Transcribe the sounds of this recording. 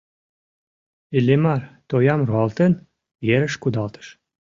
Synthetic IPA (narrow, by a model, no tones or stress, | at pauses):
elʲːemɑrt̪ojɑmruɑlt̪en | jeɾəʃkud̪ɑlt̪ə̥ʃ